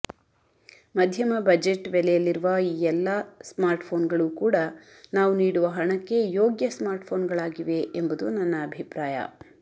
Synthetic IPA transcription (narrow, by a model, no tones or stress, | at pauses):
mɐd̪ʱjɐmɐbɐd͡ʒeʈʋɛlɛjɐlːiɾuʋɐiːɛlːɐsmaːɾʈpʰo̞ːnɡɐɭukuːɽɐ | naːʋuniːɽuʋɐɦɐɳɐkːe̞jo̞ːɡjɐsmaːɾʈpʰo̞ːnɡɐɭaːɡiʋe̞ʔembud̪unɐnːɐːbʱipɾaːjɐ̰